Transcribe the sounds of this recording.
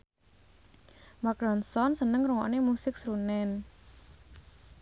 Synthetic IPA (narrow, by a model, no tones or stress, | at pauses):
mak̚dɔnsɔnsənəŋruŋɔ̰nemusɪk̚sɾunɛn